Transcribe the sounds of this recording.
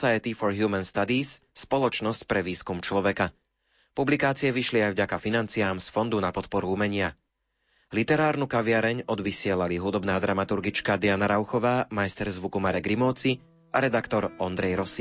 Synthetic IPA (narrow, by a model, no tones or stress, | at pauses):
sajɛt̪ifɔɾɦjuːmɛnst̪ad̪iːsːpɔlɔt͡ʃnɔscpɾɛʋiːskumt͡ʃlɔʋɛka | publikaːt͡siɪɛʋiʃliajvɟakafinant͡sijaːmsfɔnd̪unapɔt̪pɔɾuumɛɲɪa | lit̪ɛɾaːɾnukaʋɪaɾɛɲɔd̪ʋisɪɛlaliɦud̪ɔbnaːd̪ɾamat̪uɾɡit͡ʃkad̪ianaɾaʊxɔʋaːmajst̪ɛɾzʋukumaɾɛɡɾimɔːt͡si | ʔaɾɛd̪akt̪ɔɾɔnd̪ɾɛjɾɔsi